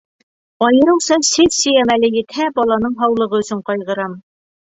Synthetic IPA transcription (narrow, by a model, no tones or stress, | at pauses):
ɒjɤ̆ɾɤ̆wsɑsɘðsɘ̆jæmælɘjɘ̆t̪hæbɒlˠɑnɤɴɦɑwlˠɤ̆ʁɤɵ̆sɵɴqɑjʁɤ̆ɾɑm